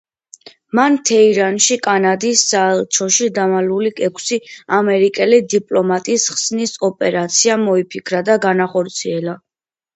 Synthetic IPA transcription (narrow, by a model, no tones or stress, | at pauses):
mant̪ʰɛiɾanʃikʼanad̪isːaɛlˠt͡ʃʰɔʃid̪amaluliɛkʷʰsiamɛɾikʼɛlid̪ipʼlɔmat̪ʼisχsnisɔpʼɛɾat̪sʰiamɔipʰikʰɾad̪aɡanaχɔɾt̪sʰiɛla